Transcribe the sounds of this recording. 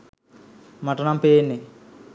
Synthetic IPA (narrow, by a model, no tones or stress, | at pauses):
mɐʈːɐnɐmpeːnːi